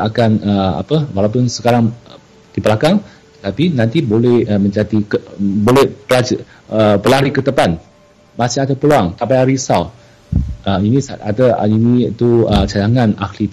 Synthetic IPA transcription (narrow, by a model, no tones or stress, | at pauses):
akanəa̰pəwalawpʊnsə̥kaɾaŋ | d̪̥ipəlakaŋ | t̪ə̥t̪apinãnt̪ibolɛhəmə̃ɲt͡ʃat̪ikəbolɛhpəlad͡ʒ | əpəlaɾikət̪əpan | masɪhat̪apəluaŋt̪apajaɾisaw | əinisaa̰t̪ə̰init̪uət͡ʃadaŋanaklit̪